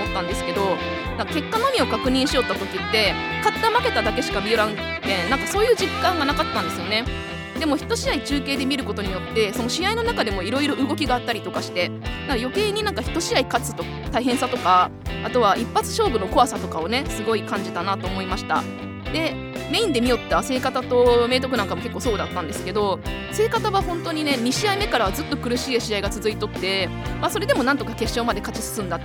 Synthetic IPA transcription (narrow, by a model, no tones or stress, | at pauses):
omot̪ːãnd̪e̞sɨ̥ke̞d̪o̞ | nãŋkake̞kːano̞mʲio̞kakɯ̟ɲ̟ĩɰ̃ɕijo̞t̪ːat̪o̞kʲit̪ːe̞ | kat̪ːamake̞t̪ad̪ake̞ɕi̥kabʲioɾãɯ̃ŋ | t̪ẽ̞nnãŋkaso̞ːjɯːʑikːãŋɡanakat̪ːãnd̪e̞sɨjo̞ne̞ | d̪e̞mo̞çi̥t̪ːo̞ɕiait͡ɕɨːke̞ːd̪e̞mʲiɾɯ̟ko̞t̪o̞ɲ̟ijot̪ːe̞so̞no̞ɕijaino̞nakad̪e̞mo̞iɾo̞iɾo̞ʔɯ̟ɡo̞kʲiɡaːt̪ːaɾʲit̪o̞kaɕi̥t̪e̞nãŋkajo̞ke̞ːɲ̟inãŋkaçi̥t̪ːo̞ɕiaikat͡sɨ̥t̪o̞k | t̪aiɦẽ̞ɰ̃sat̪o̞kaat̪o̞β̞aʔipːat͡sɨ̥ɕo̞ːbɯ̟no̞ko̞asat̪o̞kao̞ne̞sɨɡo̞ikãɲ̟d͡ʑit̪anat̪o̞ːmo̞imaɕi̥t̪a̰ | d̪e̞ | me̞ĩnd̪e̞mʲijo̞t̪ːase̞ːkat̪at̪o̞me̞ːt̪̬o̞kɯ̟nãŋkamo̞ke̞kːoːso̞ːd̪at̪ːãnd̪e̞sɨ̥ke̞d̪o̞ | se̞ːkat̪aβahõ̞nt̪o̞ɲ̟ine̞ɲ̟iɕiaime̞kaɾaβd͡zɨt̪ːo̞kɯ̟ɾɯ̟ɕiːaɕiaiɡat͡sɨzɨit̪o̞t̪ːe̞ | maso̞ɾe̞d̪e̞mo̞nãnt̪o̞kake̞ɕːo̞ːmad̪e̞kat͡ɕi̥sɨ̥sɨ̃nd̪at̪ː